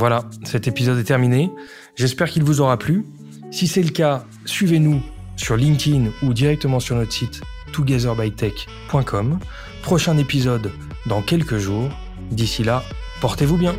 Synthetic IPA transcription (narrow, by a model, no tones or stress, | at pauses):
vwalasɛt̪epizɔd̪ɛt̪ɛʁmine | ʒɛspɛʁkʲilvuzɔʁaply | sisɛləka | sɥivenusyʁlĩŋt̪ʲinud̪iʁɛk̚t̪əmɑ̃syʁnɔt̪χəsit̪ː | uɡʲazɛʁbajt̪ɛk | pwɛ̃kʰɔm | pχɔʃɛ̃nepizɔd̪ː | ɑ̃kʲɛlkəʒuːʁ | d̪isilapɔʁt̪evubjɛ̃